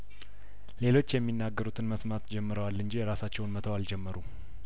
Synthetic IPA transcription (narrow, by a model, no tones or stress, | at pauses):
le̞lo̞t͡ʃːjɛmːinːaɡːəɾut̪ʰɨnməsmat̪d͡ʒɛmːɨɾəwalːɨnd͡ʒijɛɾasat͡ʃːɛwnmət̪ʰəwald͡ʒɛmːəɾu